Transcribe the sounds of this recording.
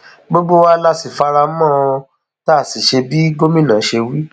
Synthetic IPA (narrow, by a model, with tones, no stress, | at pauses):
ɡ͡bo˦ɡ͡bo˦wa˦la˦˨si˨fa˧ɾa˧˦mɔ̃˦˨˧ | ta˦˨si˨ʃe˧bi˦ɡo˦mĩ˦˨nã˨˦ʃe˧wi˦